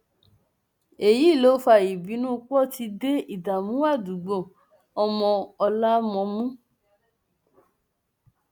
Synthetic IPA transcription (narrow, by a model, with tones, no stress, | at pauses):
e˨ji˨˦˨lo˨˦fa˧˨i˨bi˨˦nũ˦˧k͡pɔ˦˨ti˧de˦i˦˨da˨mũ˨˦wa˦˨du˨ɡ͡bõ˨ | ɔ˧mɔ̃˧ɔ˧la˦mɔ̃˧mũ˦